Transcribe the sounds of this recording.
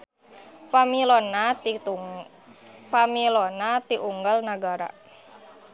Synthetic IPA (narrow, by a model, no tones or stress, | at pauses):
pamilɔna | pamilɔnat̪iʔuŋɡalnaɡaɾa̰